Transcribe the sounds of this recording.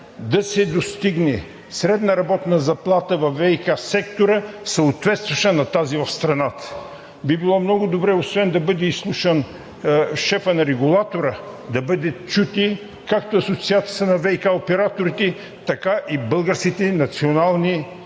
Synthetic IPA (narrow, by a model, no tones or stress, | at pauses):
d̪ɐsɛd̪ost̪iɡnɛ | sɾɛd̪nɐɾɐbɔt̪nɐzɐplˠat̪əvɐvɛikasɛkt̪oɾəsɐot̪vɛt̪st̪vɐʃənɐt̪azivɐfst̪ɾɐnat̪ə̥ | bibilˠɔmnɔɡʊd̪obɾɛosvɛnd̪ɐbɤd̪ɛislˠuʃən | ʃɛfənɐɾɛɡulˠat̪oɾə | d̪ɐbɤd̪ɛt͡ʃut̪i | kakt̪oɐsot̪siat̪sʲiə̥t̪ənɐvɛikaopɛɾat̪oɾit̪ɛ | t̪ɐkaʔibɤlˠɡəɾskit̪ɛnɐt̪sionalˠni